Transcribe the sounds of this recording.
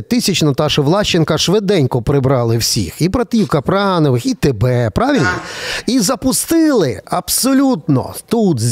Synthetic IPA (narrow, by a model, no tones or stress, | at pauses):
t̪ɪsʲɐt͡ʃnɔt̪ɑʃɪʋlˠɑʃt͡ʃːɪnkɐʃʋɪd̪ɛnʲkʊpɾɪbɾɑlˠɪwsʲḭxibɾɐt̪ijukɐpɾɑnɔʋɪxit̪ebɛpɾɑʋʲilʲnɔ̰izɐpʊst̪ɪlˠɪɐbsɔlʲut̪nɔ̰t̪ut̪zʲ